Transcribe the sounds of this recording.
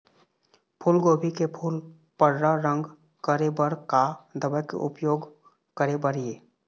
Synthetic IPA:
pʰuːlɡoːbʱikepʰuːl | pəɽɾaɾə̃ŋɡ | kəɾebəɾkad̪əbəkḛʔʊpjoːɡ | kəɾebəɾieː

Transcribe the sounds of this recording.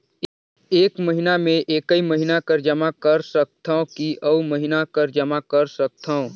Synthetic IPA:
eːkməɦɪnamẽʔeːkəiməɦɪnakɐɾd͡ʒɐmakɐɾsɐk̚t̪ʰaõkiʔəuməɦɪnakəɾd͡ʒɐmakɐɾsɐk̚t̪ʰaõ

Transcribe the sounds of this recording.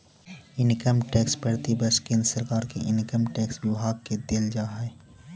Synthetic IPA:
ɪnɪkəmʈɛːkspɛɽt̪ibəskɪnsəɾkaːɾkeʔɪnɪkəmʈɛːkswʊbʱaːɡ̚ked̪eld͡ʒaːɦɛː

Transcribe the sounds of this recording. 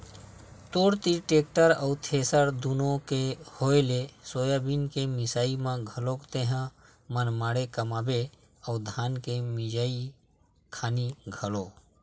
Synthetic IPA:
t̪oːɽt̪iʈeːk̚ʈəɾəwt̪ʰeːsəɾd̪unõkehoːelesoːjabinkemɪsaːimãɡʱəlokt̪ẽɦã | mənmaːɽekəmaːbe | əʊd̪ʱaːnkemɪd͡ʒaːi | kʰaːniɡʱəlo

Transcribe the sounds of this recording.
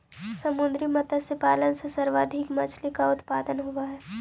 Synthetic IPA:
sɐmʊ̃nd̪ɾimɐt̪asepaːlənsesɐɾʋaːd̪ʱɪkmɐt͡ʃlikaʊt̪paːd̪ənɦuaɦɛː

